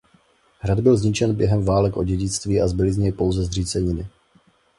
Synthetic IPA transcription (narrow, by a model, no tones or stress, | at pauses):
ɦɾad̪bɪlzɲɪt͡ʃɛnbjɛɦɛmvaːlɛkʔo̞ɟɛɟɪt͡st̪viːazbɪlɪzɲɛjpo̞wzɛzr̝iːt͡sɛɲɪnɪ